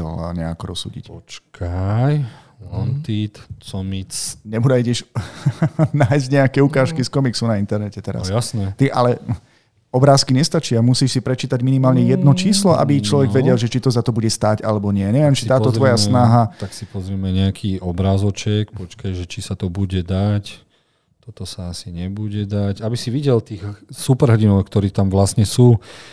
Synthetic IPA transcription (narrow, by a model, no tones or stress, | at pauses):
ɛ̰lɲɛakɔɾɔ̰sːṵːɟḭcpɔt͡ʃkʰaj | lant̪it̪t͡sɔmit͡sɲɛbud̪aiɟɛʃ | naːjzɟɲɛakɛukaːʃkiskɔmiksunaint̪ɛɾnɛcɛt̪ɛɾa̰sjasnɛt̪iʔa̰lɛ | ɔbɾaːskiɲɛst̪at͡ʃiamusiːʃsipɾɛt͡ʃiːt̪aɟminimaːlɲɛjɛd̪nɔt͡ʃiːslɔʔa̰bit͡ʃlɔʋɛɡʋɛɟɛlʒɛt͡ʃit̪ɔzat̪ɔbuɟɛst̪aːɟa̰lɛbɔɲɪɛɲɛʋjɛmt͡ʃi̥t̪aːt̪ɔt̪ʋɔjasnaɦat̪aksipɔzɾimɛɲɛakʰiːɔbɾaːzɔt͡ʃɛkpɔt͡ʃkajʒɛt͡ʃisat̪ɔbuɟɛd̪ac | t̪ɔt̪ɔsaasiɲɛbuɟɛd̪acabisiʋiɟɛlt̪iːxsupɛɾɦɔɟinɔʊkt̪ɔɾiːt̪amʋlasɲɛsuː